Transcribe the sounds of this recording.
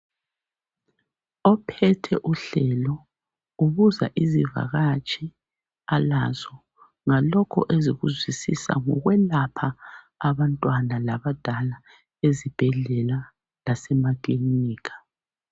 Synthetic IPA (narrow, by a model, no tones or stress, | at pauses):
ɔpʰɛtʰɛʔuɬɛlɔ | uβuzaʔiziva̰ɣat͡ʃʼi | alazɔ | ŋalɔkʰɔ̰ʔeziɣuzwisisa̰ŋɔɣwɛlapʰaː | βantʼwanalaβad̥ʱala | ezib̥ʱɛɮɛla | lasɛmakʼliniːkʰḁ